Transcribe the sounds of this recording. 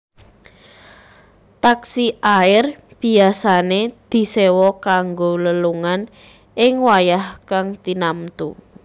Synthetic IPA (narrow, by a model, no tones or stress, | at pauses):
t̪aksiʔaɪrb̥i̤asaned̪̥i̤sewɔkaŋɡoləluŋan | ɪŋwajahkaŋt̪inamt̪ṵ